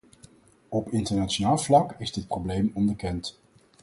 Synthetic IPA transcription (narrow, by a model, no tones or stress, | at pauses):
ɔpɪntəɹnaːt͡ʃonaːlˠvlɑkɪzdɪt̚prowblejmɔnbəkɛnt